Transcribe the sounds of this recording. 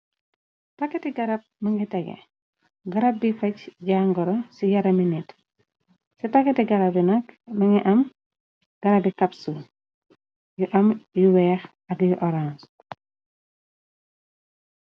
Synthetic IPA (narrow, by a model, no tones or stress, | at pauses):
tɐkːɛtiɡɐɾɐp̚mɐŋɡitɛɡɛ̰ | ɡɐɾɐb̚ːifɐcɟaːŋɡɔɾɔsijɐɾɐminit | sitɐkːɛtiɡɐɾɐbinɐkmɐŋiʔɐm | ɡ̥ɐɾɐbikɐpsu | juʔɐmjuwɛːx | ɐkjuʔɔɾans